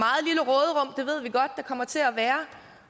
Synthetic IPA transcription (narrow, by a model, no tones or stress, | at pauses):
ɑ̈ːð̩ˠliləʁɔːð̞ˠəʁɔ̽m̰d̥e̝ʋe̝ð̰ˠʋiɡ̥ɒ̽d̥̚ːɑ̈kʰɒ̽m̰ɐt͡sʰe̝æʋæːɐ